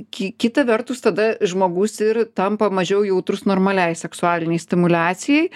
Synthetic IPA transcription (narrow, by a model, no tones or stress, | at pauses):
kʲɪkʲɪt̪ɐʋʲɛɾt̪ʊst̪ɐd̪ɐʒmoːɡʊsɪɾt̪ɐmpɐmɐʒʲɛʊjɛʊt̪ɾʊsnoːɾmɐlʲɛɪsʲɛksʊɑːlʲɪnʲɛɪsʲt̪ʲɪmʊlʲæːsʲɪjɛɪ